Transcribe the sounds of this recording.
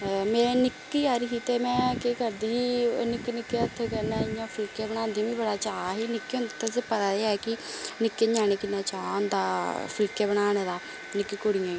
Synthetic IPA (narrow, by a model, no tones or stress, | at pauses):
mɛ̃ːnɪkiːaːɾiːsiːt̪eːmɛ̃ːkeːkəɾd̪iːnɪkːinɪkːeːət̪ʰːeːkəɾnãːɪjãːpʰɪlkeːbəñãːnd̪ĩʋĩːbəɽaːt͡ʃaːɦiːnɪkːeːõnd̪aːt̪asepət̪aːd̪eːɛːkɪnɪkːeːɲaːñeːkɪnːaːt͡ʃaːɦʊnd̪aːpʰɪlkeːbəɽaːneːd̪aː | nɪkːiːkoɽijãː